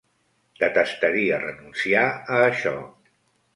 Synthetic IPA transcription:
d̪̥ət̪əst̪əɾiərənunsiaəːʃɔ̰

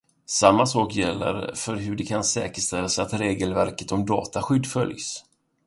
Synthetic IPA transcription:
samːasɑːkjɛlːə̰ɾfœɾɦɵɖɛkʰansɛːkəʂt̪ɛlːasɛat̪ɾeːɡəlvæɾkə̥t̪ɔmd̪ɑ̰ːt̪aɧʏd̪ːfœ̰ljs

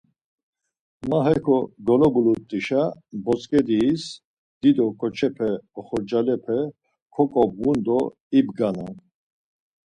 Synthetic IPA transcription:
maɦɛkʰɔɡɔlɔbulut̪ʼiʃabɔt͡sʼkʼɛd̪iːs | d̪̥id̪ɔkʼɔt͡ʃʰɛpʰɛɔχɔɾd͡ʒalɛpʰɛ | kʰɔkʼɔbɣund̪ɔ | ibɡanan

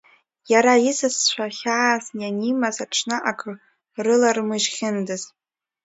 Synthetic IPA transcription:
jaɾaisɨsʃʷaχʲaazjanimazaʈ͡ʂʰnɨʔakʰʼ | rɨlarmɨʒχʲɪndɨz

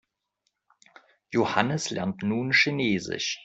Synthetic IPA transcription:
johanəslɛɐntnuːnʃineːzɪ̰ʃ

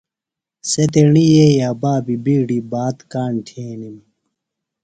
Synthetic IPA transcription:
set̪eɳijejaːbaːbibiːɽibaːt̪kaːnʈʰeːnim

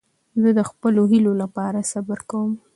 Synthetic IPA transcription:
zəd̪əxpəloɦilolapɑɾasabəɾkawəm

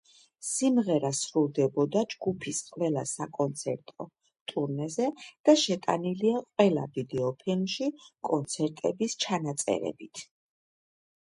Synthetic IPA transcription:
simʁɛɾasɾulˠd̪ɛbɔd̪ad͡ʒɡupʰisqʼwvɛlˠasakʼɔnt̪sʰɛɾt̪ʼɔ | t̪ʼuɾnɛzɛd̪̥aʃɛt̪ʼa̰niliaqʼwɛlˠa̰vid̪ɛɔpʰilˠmʃikʼɔnt̪sʰɛɾt̪ʼɛbist͡ʃʰanat̪sʼɛ̰ɾɛ̰bit̪ʰ

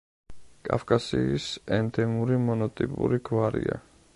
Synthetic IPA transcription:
kʼa̰fkʼasiːsɛnd̪ɛmuɾimɔnɔt̪ʼipʼuɾiɡvaɾḭa

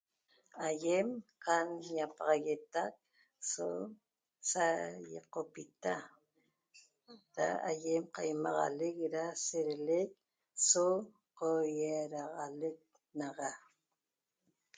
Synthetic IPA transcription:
ajemqanjapɑʁɑɣet̪ak̚ | so | sajḛqopit̪a | ɾa̰ajemqajmɑʁɑ̰lek̚ɾaseɾelek̚ | so | qojeɾɑʁɑlek̪̚ | nɑʁɑ

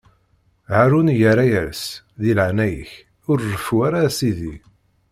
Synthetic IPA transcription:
ʕaɾunjəɾæjæs | ðilʕnæjəç | ʊɾːəfuaɾasiði

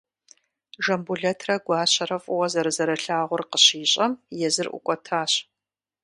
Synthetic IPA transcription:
ʒɐmbuɮɐtʰrɐɡʷɑːɕɐɾɐfʼʊwɐzɐɾɨzɐɾɐɬaːʁʷʊrqəɕiːɕʼɐmjɛzɨrʔʷʊ̰kʷʼɔtʰaːɕ

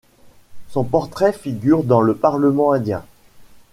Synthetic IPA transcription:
sɔ̃pɔʁt̪χɛfiɡʲyʁd̪ɑ̃ləpaʁləmɑ̃ɛ̃d̪jɛ̃

